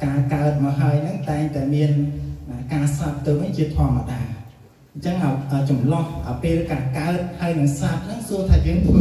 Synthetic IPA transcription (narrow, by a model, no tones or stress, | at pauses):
kaːkaət̪̚maːɦaəjnɨŋt̪aɛŋt̪aɛmiənʔakaːsap̚t̪ɨwʋɨɲt͡ɕiət̪ʰŏəmːəɗaː | ɲt͡ɕəŋʔaɔʔəːt͡ɕɑmlɑhʔəːpeːlkaːkaət̪̚haəjnɨŋsap̪̚nɨŋsuət̪ʰaːjəːŋt̪ʰ